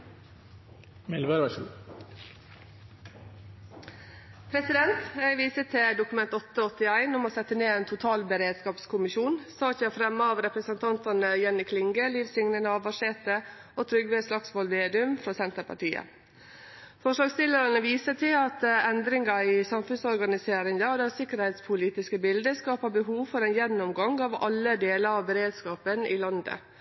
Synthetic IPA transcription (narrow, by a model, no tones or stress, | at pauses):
mɪlbəɾʋæʂl̩ | pʰɾɛsɪd̪ɛnt̪ʋiːsət̪ʰɛd̪ʊkʉmɛnt̪ɔt̪ːəɔt̪ɪæɪnʊmoːsɛt̪ːəneːeːnt̪ʰʊt̪ʰɑːlbəɾeːd̪skɑːpskʰʊmɪʃuːnsɑːɑt̪jææfɾɛmːəɑːʋɾɛpɾəsənt̪ʰɑnt̪ɑnəjɛnːɪkʰlɪŋɡəliːʋsɪŋnənəɑʋʋɑʂeːt̪ə | ɔt̪ʰɾʏɡʋeːslɑksʋɔlmeːd̪ʉmfɾɔsɛnt̪əɾpʰɑ̰ʈiːə̰ | fɔʂlɑːɡst̪ɪlːəɾɑnəʋiːsət̪ʰɪlɑt̪ɛnd̪ɾɪŋɑɪsɑmfʉnsɔɾɡɑnɪseːɾɪŋd̪ɑd̪ɛsɪkːəɾhɛɪt̪spʰʊliːt̪ɪskəbɪld̪əskɑːpɑbəɦuːʋfɔɾɛnjɛnːɔmɡɑŋɑʋɑ̰lːəd̪eːləɾɑʋbəɾeːd̪skɑːpənʔɪ̰lɑnd̪ə̰